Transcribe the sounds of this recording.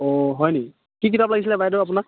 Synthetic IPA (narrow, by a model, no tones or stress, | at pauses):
ɔɦɔjnei | kik̬itaplaɡis̬ilɛbajdoap̬unak̚